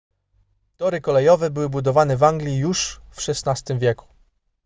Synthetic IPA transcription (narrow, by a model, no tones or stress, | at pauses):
t̪ɔɾɘkɔlɛjɔvɛbɘwɘbud̪ɔvanɛvaŋɡlʲijuʂfʂɛsnast̪ɘmvʲjɛku̥